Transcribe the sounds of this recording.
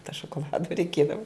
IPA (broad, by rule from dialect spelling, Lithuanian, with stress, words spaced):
toː ʃoːkoːˈlˠɑːdʊ rʲɛɪˈkʲiɛdɐʋʊ